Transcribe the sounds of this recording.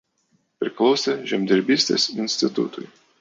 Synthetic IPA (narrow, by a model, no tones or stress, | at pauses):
pʲɾʲɪklˠɒʊsʲeʒʲɛmʲd̪ʲɛɾʲbʲiːsʲt̪ʲḛːsɪnʲsʲt̪ʲɪt̪ʊ̰t̪ʊ̰ɪ